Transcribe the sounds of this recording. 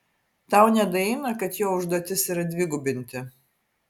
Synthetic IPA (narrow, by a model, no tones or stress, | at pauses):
t̪ɑˑʊnʲɛd̪ɐɪnɐkɐt̪joːʊʒd̪oɔt̪ʲɪsiɾɐd̪ʲʋʲɪɡʊbʲɪnʲt̪ʲɪ